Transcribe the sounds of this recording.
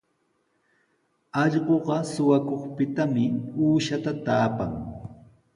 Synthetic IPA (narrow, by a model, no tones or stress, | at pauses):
ɑʎɢoɢɑsʊwakoχpɪt̪amɪuːʃat̪at̪aːpa̰ŋ